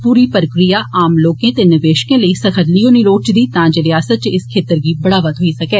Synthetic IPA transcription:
puːɾiːpəɾəkɾijaːʔaːmloːkẽːt̪eːnɪʋeːʃkẽːləiːsəkʰəɾliːõːniloːt͡ʃd̪iːt̪ãːd͡ʒeɾɪaːsət̪̚t͡ʃɪskʰeːt̪əɾɡiːbəɽaːʋət̪ɦoːiːsəkɛː

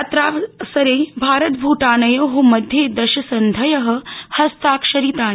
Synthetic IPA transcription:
t̪ɾaːsɐɾeːbʱaːɾɐt̪̚bʱuːʈaːnɐjoːɦumɐd̪ʱjeːd̪ɐʃɐsɐnd̪ʱɐjɐɦɐ̆hɐst̪aːkʃɐɾit̪aː

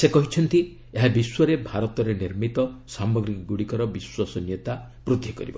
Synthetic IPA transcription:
sekɔɦit͡ʃʰɔnt̪i | eɦabiswɔɾebʱaɾɔt̪ɔɾeniɾmit̪ɔsamɔɡɾikɔɡuɽikɔɾɔbiswasɔnjɔt̪a | pɾud̪ʱjɔkɔ̰ɾḭbɔ̰

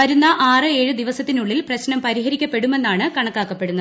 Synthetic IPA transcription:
ʋɐɾunːɐʔaːrɨe̞ːɻud̪iʋɐsɐt̪ːinuɭːilprɐɕnɐmpɐɾiɦɐɾikʲːɐpːe̞ɽume̞nːaːɳɨkɐɳɐkːaːkːɐpːe̞ɽunːɐ

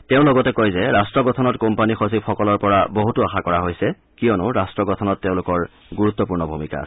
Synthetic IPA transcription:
tɛʊ̃lɔɡɔtɛkojzɛɹastɹɔɡɔtʰɔnɔtkompanixosibxɔkɔlɔɹpɔɹaboɦutuaxakɔɹaɦojsɛ | kijɔnʊɹastɹɔɡɔtʰɔnɔtːeʊ̃lʊkɔɹ | ɡuɹut̪ːɔpuɹnɔbʱumika̰

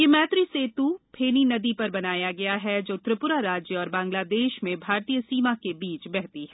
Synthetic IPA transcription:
jemɛːt̪ɾiset̪upʰeːninɐd̪ipɐɾbɐnaːjaɡɐjaɦɛd͡ʒoːt̪ɾəpʊɾaɾaːd͡ʒjəɔːɾbãːŋɡlaːd̪eːʃmẽbʱaːɾt̪ijəsiːmakebiːt͡ʃbɛɦt̪iɦɛː

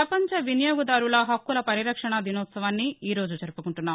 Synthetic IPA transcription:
pɾɐpɐɲt͡ʃɐʋinijoːɡɐd̪aːɾulɐɦɐkːulɐpɐɾiɾɐkʂɐɳɐd̪inɔːt̪sɐʋaːnːiiːɾo̞ːd͡ʒut͡ʃɐɾupukuɳʈunːaːm

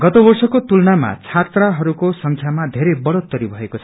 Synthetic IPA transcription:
ɡʌt̪obʌrsʌkot̪ulnama̰t͡sʰat̪raɦʌɾukosʌŋkʰjamad̪ʱeɾebʌɽot̪ːʌɾibʱʌekot͡sʰ

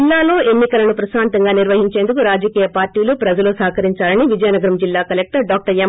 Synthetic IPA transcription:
lːaːlo̞ːe̞nːikɐlɐnupɾɐsaːnt̪ɐŋɡaːniɾʋɐɦiɲt͡ʃe̞ːnd̪ukuɾaːd͡ʒɐkiːjɐpaːɾʈːiːlupɾɐd͡ʒɐlusɐːkɐɾiɲt͡ʃaːlɐniʋid͡ʒɐjnɐɡɐɾɐmd͡ʒilːaːkɐlek̚ʈɐɾɖaːk̚ʈɐɾem

